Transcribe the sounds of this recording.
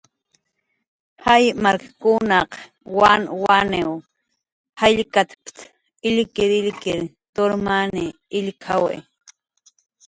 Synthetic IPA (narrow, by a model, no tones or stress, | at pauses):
hajmaɾkḁkʊnɑq | wanwanew | haʎkat̪pt̪ | ɪlkɪɾɪlkɪɾ | t̪oɾmaniːʎkʰawḛ